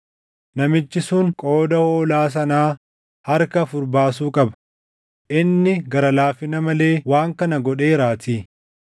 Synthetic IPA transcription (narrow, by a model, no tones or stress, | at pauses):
nɐmɪt͡ʃːɪsuŋkʼo̞ːd̪ɐhoːlaːs̬ɐnaː | hɐɾkɐfʊɾbaːs̬uːkʼɐbɐ̥ | ʔɪnːɪɡɐɾɐlaːfɪnɐmɐle̞ːwaːŋkɐnɐɡɔᶑe̞ːɾaːt̪iː